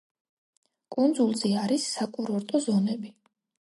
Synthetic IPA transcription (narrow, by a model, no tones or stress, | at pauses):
kʼund̪zulˠzɛaɾisːakʼuɾɔɾt̪ʼɔzɔnɛbi